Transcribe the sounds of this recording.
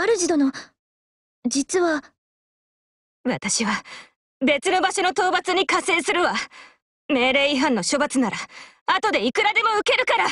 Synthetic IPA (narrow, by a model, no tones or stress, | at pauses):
aɾɯ̟ʑid̪ono | d͡ʑit͡sɨβa | βat̪aɕiβa | be̞t͡sɨno̞baɕo̞no̞t̪o̞ːbat͡sɨɲ̟ikase̞ːsɨɾɯ̟βa | me̞ːɾe̞ːiɦãnːo̞ɕo̞bat͡sɨnaɾa | at̪o̞d̪e̞ikɯ̟ɾad̪e̞mo̞ɯ̟ke̞ɾɯ̟kaɾa